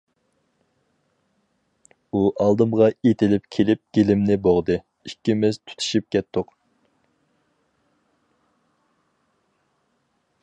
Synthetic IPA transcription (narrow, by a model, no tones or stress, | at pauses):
uʔɑlˠd̪ɨmʁɑet̪ʰɪlɪpkʲʰelɪp̚ɡ̥ʲelɪmnɪboʁd̪ɨ | ikʲːimɪzt̪ʰu̥t̪ʰu̥ʃip̚kʲɛt̪ːʊq